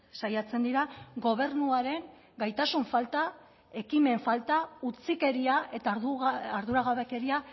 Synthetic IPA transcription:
sajat͡se̞nd̪iɾaɡo̞β̞e̞ɾnuaɾe̞ŋ | ɡajt̪asuɱfalt̪a | e̞kime̞ɱfalt̪aut͡sike̞ɾiae̞t̪aːɾðuɾaɣaβe̞ke̞ɾia

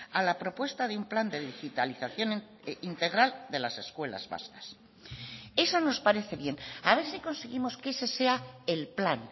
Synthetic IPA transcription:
alapɾo̞pwe̞st̪aðeumpland̪e̞ðixit̪aliθaθjo̞n | int̪e̞ɣ̞ɾald̪e̞lase̞skwe̞la̰zβa̰skḁs | e̞sono̞spaɾe̞θe̞βje̞naβ̞e̞ɾsiko̞nseɣimo̞skese̞se̞aelplan

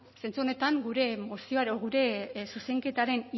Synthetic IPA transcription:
se̞nt͡suone̞t̪aŋɡuɾe̞mosioaɾoɣuɾe̞suse̞ŋke̞t̪aɾe̞ni

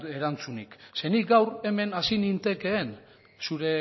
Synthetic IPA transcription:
e̞ɾant͡sunikse̞nik̚ɡawre̞me̞nasinint̪e̞ke̞ːn | suɾe̞

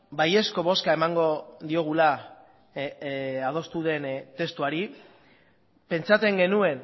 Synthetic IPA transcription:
baje̞sko̞βo̞skae̞maŋɡo̞ðio̞ɣ̞ula | að̞o̞st̪uðe̞nt̪e̞st̪uaɾi | pe̞nt͡sat͡s̪e̞ŋɡe̞nue̞n

